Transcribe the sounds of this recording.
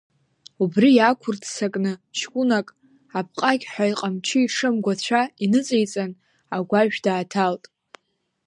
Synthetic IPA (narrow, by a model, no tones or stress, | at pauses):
ubrijakʷʰʊrtʰsakʼnɨt͡ʃʰkʷʼunakʼ | ap̚ʰqʼaɡʲħʷᶣaiqʼamt͡ʃʰɪiʂɨmɡʷat͡ɕʷʰainɨt͡sʼejt͡sʼan | aɡʷaʒᶣdaːtʰaltʼ